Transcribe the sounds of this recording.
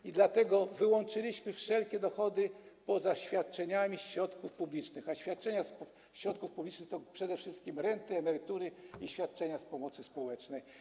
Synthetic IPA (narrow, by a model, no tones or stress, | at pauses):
id̪lat̪ɛɡɔvɘwɔnt͡ʂɘlʲiɕmɘfʂɛlkʲɛd̪ɔxɔd̪ɘpɔzaɕfʲjat̪̚t͡ʂɛɲamʲiɕɾɔt̪kufpublʲit͡ʂnɘxaɕfʲjat̪̚t͡ʂɛɲas | ɕɾɔt̪kufpublʲit͡ʂnɘxt̪ɔpʂɛd̪ɛfʂɘst̪̚kʲimɾɛnt̪ɘɛmɛɾɘt̪uɾɘiɕfʲjat̪̚t͡ʂɛɲaspɔmɔt̪sɘspɔwɛt͡ʂnɛj